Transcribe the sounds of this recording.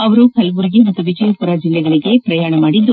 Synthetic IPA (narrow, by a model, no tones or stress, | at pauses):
ɐʋɐɾukɐlɐʋuɾiɡemɐt̪ːuʋid͡ʒɐjɐpuɾaːd͡ʒilːɛɡɐɭiɡe̞pɾɐjaːɳɐmaːɽid̪ːu